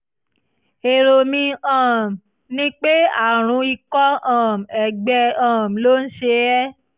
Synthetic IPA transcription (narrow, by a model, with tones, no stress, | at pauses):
e˨ɾo˨mĩ˧ãː˨m˨ | nĩ˦k͡pe˦a̰˦˨ɾ̃ũ˨˧˦i˧kɔ˦ã˦˨m̩˨ɛ˨ɡ͡bɛ˧ãː˨m˨lo˦n̩˦ʃe˧ɛ˦